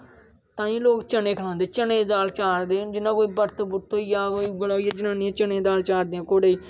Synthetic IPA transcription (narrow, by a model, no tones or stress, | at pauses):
t̪ãːĩːloːkt͡ʃənẽːkʰəɽãːnd̪eːt͡ʃənẽːd̪aːlt͡ʃaːɾd̪ẽːd͡ʒɪnːãːkoːiːbəɾt̪bʊt̪ːoːjaːkoːiːɡəlaːjaːd͡ʒɪnãːnĩːãːt͡ʃənẽːd̪aːlt͡ʃaːɾd̪eːãːkoːɽeːiː